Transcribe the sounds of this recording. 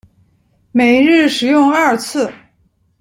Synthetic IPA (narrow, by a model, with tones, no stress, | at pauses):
me˨˩ɪɻɻ̩˥˩ʂɻ̩˨˩jʊ˥˧ŋɐ˥˧t͡sʰɹ̩˥˩